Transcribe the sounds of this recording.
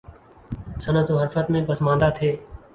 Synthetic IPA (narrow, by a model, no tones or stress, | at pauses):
sənət̪oːɦəɾfət̪mẽːbəsmãːnd̪aːt̪ʰeː